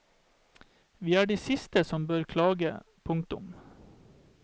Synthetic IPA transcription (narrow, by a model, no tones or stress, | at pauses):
ʋiːæːɖiːsɪst̪əsɔmbøːɾkʰlɑːɡə̰ | pʰʊŋt̪ʊ̰m